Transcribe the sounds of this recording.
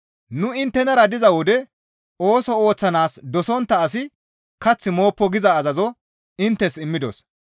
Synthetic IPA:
nʊɪnt̪ːɛnɐɾɐd̪ɪzɐwɔd̪ɛ | o̞ːsɔo̞ːt͡sːɐnaːsd̪ɔsɔnt̪ːɐːsɪ | kɐt͡sːɪmo̞ːpːɔɡɪzɐːzɐzɔ | ɪnt̪ːɛsɪmːɪd̪ɔ̰s

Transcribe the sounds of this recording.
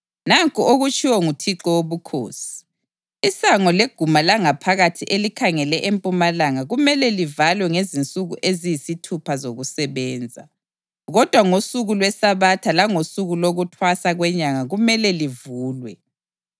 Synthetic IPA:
naŋkʼuoɣut͡ʃʼʰiwɔŋutʰiǁɔwoβukʰo̰ːsi̥ | isaŋɔleɡ̥ʱumalaŋapʰaɣatʰiʔelikʰaŋɛlɛʔempʼumalaŋaɣumɛlɛlivalwɛŋezint͡sʼuɣuʔezijisitʰupʰazoɣusɛβɛːnd͡zʱa̰ | ɣɔd̥ʱwaŋosuɣulwɛsaβatʰalaŋosuɣuloɣutʰwasaɣwɛɲaŋaɣumɛlɛlivuːlwɛ

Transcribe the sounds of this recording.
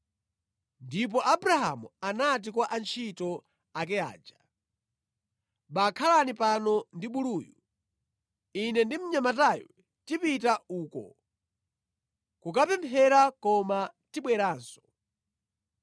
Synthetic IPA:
ndip̬ɔʔabɾaɦa̰muanat̬ikwaʔant͡ʃʰitɔ | ak̬ɛa̰ːd͡ʒa | ɓakʰalanipanɔndiɓuluːju | inɛndim̩ɲamatajɛ | tipitauːkɔ̰ | kukapɛmpʰɛɾakɔmatiɓwɛɾaːnsɔ̥

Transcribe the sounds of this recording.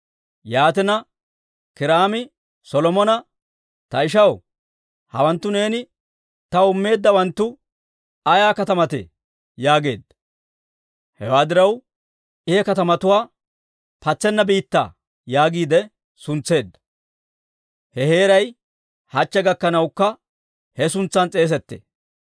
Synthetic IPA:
jaːt̪ɛnɐ | kɪɾaːmɪ | sɔlɔmɔnɐ | t̪ɐɪʃ̬ɐw | hɐ̰wɐnt̪ːʊne̞ːnɪ | t̪ɐʊmːe̞ːd̪ːɐwɐnt̪ːʊ | ɐjaːkɐt̪ɐmɐt̪ɛ̰ | jaːɡe̞̰ːd̪ːɐ̥ | hɛwaːd̪ɪɾɐw | ʔɪhɛkɐt̪ɐmɐt̪ʊwaː | pɐt͡sːɛnːɐbiːt̪ːa̰ː | jaːɡiːd̪ɛ | sʊnt͡sːe̞ːd̪ːɐ̥ | hɛhe̞ːɾɐj | hɐt͡ʃːɛɡɐkːɐnɐwkːɐ | hɛsʊnt͡sːɐnt͡sʼe̞ːs̬ɛt̪ːḛː

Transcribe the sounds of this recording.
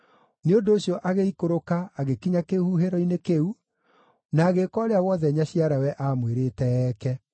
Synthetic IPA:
neondoːɕjɔʔaɣeikoɾokaːɣekiɲakehuɦeɾɔinekeu | naːɣekɔːɾeawɔðɛɲaɕiaɾawɛʔamweɾetɛɛːkɛ

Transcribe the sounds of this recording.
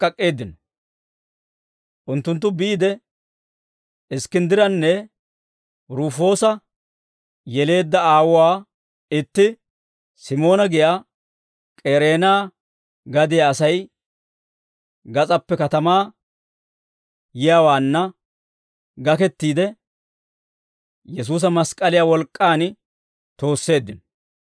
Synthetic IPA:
kʼɐkʼːe̞ːd̪ɪnɔ | ʔʊnt̪ːʊnt̪̬ːʊbɪːd̪ɛ | ɪskɪnd̪ɪɾɐnːɛ | ɾuːfo̞ːsɐ | jɛle̞ːd̪ːɐaːwʊwaː | ɪt̪ːɪ | sɪmo̞ːnɐɡɪjaː | kʼeːɾe̞ːnaː | ɡɐd̪ɪjaːsɐj | ɡɐt͡sʼɐpːɛkɐt̪ɐmaː | jɪjawaːnːɐ | ɡɐkɛt̪ːiːd̪ɛ | jɛs̬uːs̬ɐmɐskʼɐlɪjaːwɔlkʼːaːn | t̪o̞ːsːe̞ːd̪ːɪn

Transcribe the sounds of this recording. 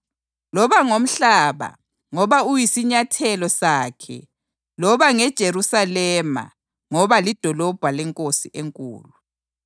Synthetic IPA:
lɔβaŋom̩ɬaːβa̰ | ŋɔβaujisiɲatʰɛlɔsaːkʰɛ̰ | lɔβaŋɛd̥ʒ̥ʱeɾusalɛma̰ | ŋɔβalid̥ʱɔlɔb̥ʱwalɛŋkʼosiʔeŋkʼṵːlu

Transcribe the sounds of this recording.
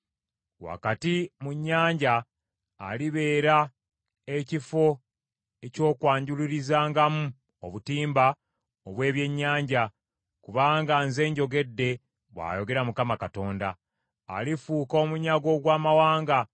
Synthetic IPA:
wa̰katimuɲːaːɲɟaː | liβe̞ːɾa | e̞cifo̞ | e̞co̞ːkwaːɲɟuliɾizaːŋɡamu | oβutiːmba | oβwe̞ːβje̞ɲːaːɲɟa | kuβaːŋɡanze̞ːɲɟo̞ɡe̞dːe̞ | βwa̰ːjo̞ɡe̞ɾamukamakato̞ːnda̰ː | lifuːko̞ːmuɲaɡo̞ɡwaːmawaːŋɡa

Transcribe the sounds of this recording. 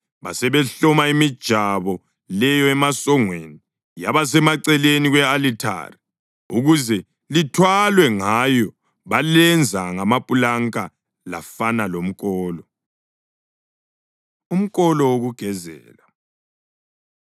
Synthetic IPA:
βasɛβɛɬɔmaimid̥ʒ̥ʱaβɔ | lɛjɔɛmasɔŋwḛni | jaβas̬ɛmaǀɛleniɣwɛalitʰa̰ri | uɣuzɛ | litʰwalwɛŋajɔ | βalɛnd͡zʱaŋamapʼulaŋkʼa | la̰fanalom̩kʼɔːlɔ | um̩kʼɔlɔwoɣuɡ̥ʱɛzɛ̰ːla

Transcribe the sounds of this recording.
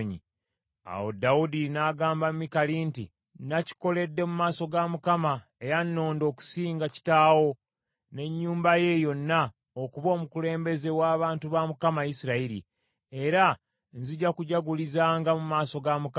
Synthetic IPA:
ɲḭ | a̰wo̰dawudinaːɡaːmbammːikalintḭ | naci̥ko̞le̞dːe̞mumaːso̞ɡamukama | ejanːo̞ːndo̞ːku̥siːŋɡaci̥taːwo̞ | ne̞ɲːuːmbaje̞jo̞nːa | okuβo̞ːmukule̞ːmbe̞ze̞waːβaːntuβamukamajisiɾaiɾḭ | e̞ɾa | nziɟakuɟaɡulizaːŋɡamumaːso̞ɡamuka

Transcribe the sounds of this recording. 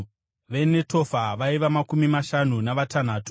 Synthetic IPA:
ʋe̞ne̞to̞faʋaiʋamakumimaʃanunaʋatan̤aːtu

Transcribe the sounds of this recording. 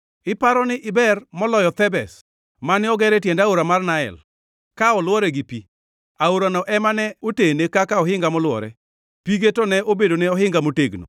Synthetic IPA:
ɪpaɾɔnɪʔɪbɛrmɔlɔjɔt̪ɛbɛs | manɪɔɡɛɾɛtjɛndaoɾamarnaɛ̰l | kaɔlwɔɾɛɡɪpi | aoɾanɔʔɛmanɛotenekakaɔɦɪŋɡamɔlwɔ̰ɾɛ̰ | piɡetonɛobedoneɔɦɪŋɡamoteɡno̰

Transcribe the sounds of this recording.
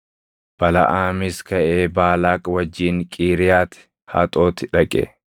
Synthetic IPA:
b̥ɐlɐ̰ʔaːmɪskɐʔeːbaːlaːkʼwɐd͡ʒːiːŋkʼiːɾɪjaːt̪ɪ̥ | ha̰ːt̪ʼo̞ːt̪ɪᶑɐkʼɛ̰

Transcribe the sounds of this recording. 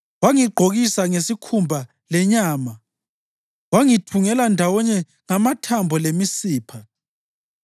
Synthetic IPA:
waŋiɡ͡ǃʱoɣisaŋesikʰumbʱa | lɛɲaːma | waŋitʰuŋɛlandʱawɔɲɛ | ŋamatʰambʱɔlemisiːpʰa

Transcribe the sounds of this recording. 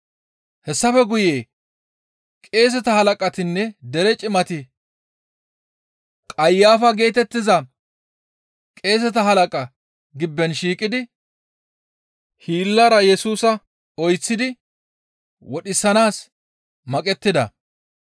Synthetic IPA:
hɛsːɐfɛɡʊjeː | kʼe̞ːs̬ɛt̪ɐhɐlɐkʼɐt̪ɪnːɛd̪ɛɾɛt͡ʃʼɪmɐt̪ɪ | kʼɐjːaːfɐɡe̞ːt̪ɛt̪ːɪzɐ | kʼe̞ːs̬ɛt̪ɐhɐlɐkʼɐ | ɡɪbːɛnʃiːkʼːɪd̪ɪ | hiːlːɐɾɐjɛsuːsɐ | ɔjt͡sːɪd̪ɪ | wɔɗɪsːɐnaːs | mɐkʼɛt̪ːɪd̪ɐ̰

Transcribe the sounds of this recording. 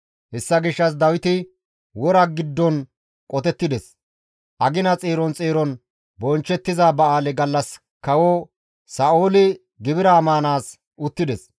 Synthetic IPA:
hɛsːɐɡɪʃːɐs̬d̪ɐwɪt̪ɪ | wɔɾɐɡɪd̪ːɔn | kʼɔt̪ɛt̪ːɪd̪ɛs | ʔɐɡɪnɐt͡sʼeːɾɔnt͡sʼeːɾɔn | bɔnt͡ʃːɛt̪ːɪzaːbɐaːlɛɡɐlːɐs | kɐwoː | saːʔoːlɪ | ɡɪbɪɾaːmaːnaːs | ʔʊt̪ːɪd̪ɛs

